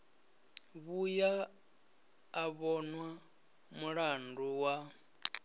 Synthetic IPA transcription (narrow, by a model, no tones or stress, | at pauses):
βuja | βɔnwa | muɺanduwa